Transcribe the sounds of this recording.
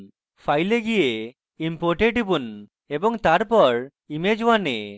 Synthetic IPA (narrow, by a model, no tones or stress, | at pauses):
pʰajleɡije | impoɾʈeʈibun | ebɔŋt̪aɾpɔɾ | imed͡ʒwane